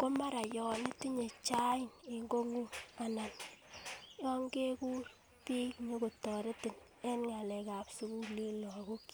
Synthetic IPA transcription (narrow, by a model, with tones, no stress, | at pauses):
ko˦ma˦ɾa˨jɔ˨ne˦ti˦ɲe˨t͡ʃa˦i˦ne˨ŋɡo˦ŋu˦a˨na˨n | jɔ˦ŋɡe˦ku˦ | pi˦me˦ko˨tɔ˨ɾe˦tɪ˨n | ɛ˦nŋa˨lɛ˨ka˨psu˦ku˦le˦lɔ˨ko˦k